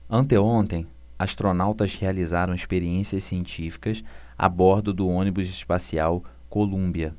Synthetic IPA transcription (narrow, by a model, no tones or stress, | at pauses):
ɐ̃nt̪eõnt̪ẽj̃ | aʃt̪ɾonawt̪ɐzhealizaɾɐ̃w̃iʃpeɾiẽsiɐssiẽnt͡ʃifi̥kɐs | a̰bɔɾd̪ʊd̪ʊõnibʊzɪʃpasiaw | kolũbiɐ